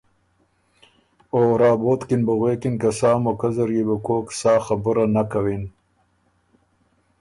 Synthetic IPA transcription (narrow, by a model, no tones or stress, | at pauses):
oːɾɑːboːt̪kinbaɣwekinkasɑːmokazaɾjebəkoːksɑːxabəɾanakawin